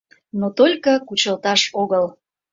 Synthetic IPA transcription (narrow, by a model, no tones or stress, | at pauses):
not̪olʲkəkut͡ɕəlˠt̪ɑʃoɣəl